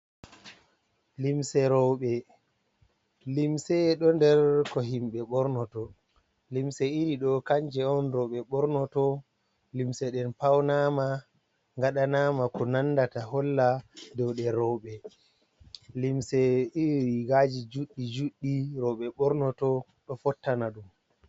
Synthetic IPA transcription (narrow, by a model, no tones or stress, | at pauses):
limsɛɾɔwɓɛ | limsɛɗɔndɛɾkɔɦimɓɛɓɔɾnɔtɔ | limsɛiɾiɗɔkaɲd͡ʒɛɔnɾɔwɓɛɓɔɾnɔtɔ | limsɛɗɛnpawnama | ŋɡaɗanamakɔnanːdataɦɔlːadɔwɗɛɾɔwɓɛ | limsɛiɾiɡad͡ʒid͡ʒuɗːid͡ʒuɗːiɾɔɓɛɓɔɾnɔtɔ | ɗɔfɔtːanaɗum